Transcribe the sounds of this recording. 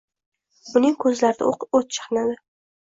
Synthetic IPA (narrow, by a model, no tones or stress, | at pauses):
ʊnɪŋkʰɵzlaɾɪd̪ɪ̰oqot̪̚t͡ʃʰɪ̥χɨnad̪ɪ